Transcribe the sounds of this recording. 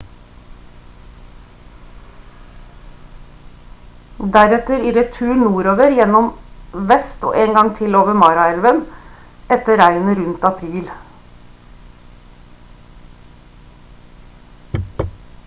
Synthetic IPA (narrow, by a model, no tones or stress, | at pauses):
d̪æɾɛt̪əɾiːɾɛt̪ʰʉːnuːɾoːʋəɾjɛnɔmʋɛst̪o̰ːʔeːŋɡɑŋt̪ʰɪloːʋəmɑːɾɑɛlʋən | ɛt̪əɾæɪənəɾʉnt̪ɑpʰɾiːl